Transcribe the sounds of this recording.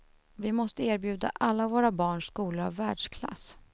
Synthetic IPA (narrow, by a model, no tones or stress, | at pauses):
vɪmɔst̪əeːɾbjʉ̟ːd̪a̰ʔalːavoːɾabɑːɳʂkuːləɾa̰vːæːɖʂkʰla̰s